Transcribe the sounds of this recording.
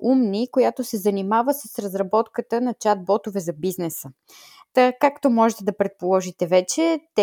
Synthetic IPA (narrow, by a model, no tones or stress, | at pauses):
umnikojat̪osɛzɐnimavəsəsɾəzɾɐbɔt̪kət̪ənɐt͡ʃad̪̚bɔt̪ʊvɛzɐbiznɛsə | t̪akakt̪omɔʒɛt̪ɛd̪ɐpɾɛt̪̚polˠɔʒit̪ɛvɛt͡ʃɛt̪ɛ